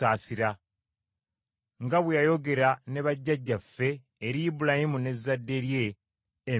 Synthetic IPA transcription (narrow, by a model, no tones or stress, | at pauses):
aːsiɾa | ŋɡaβwejajo̞ɡe̞ɾaneβaɟːaɟːafːe̞ː | ɾiːbuɾahimune̞zadːe̞ɾje̞ː